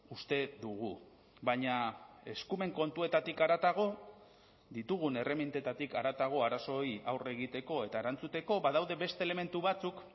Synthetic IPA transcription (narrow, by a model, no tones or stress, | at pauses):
ust̪e̞d̪uɣ̞u | baɲae̞skume̞ŋko̞nt̪ue̞t̪at̪ikaɾat̪aɣ̞o̞ | ðit̪uɣ̞une̞re̞mint̪e̞t̪at̪ikaɾat̪aɣ̞o̞aɾaso̞iawre̞ɣ̞it̪e̞ko̞e̞t̪aeɾant͡sut̪e̞ko̞baðawðe̞be̞st̪ele̞me̞nt̪uβat͡suk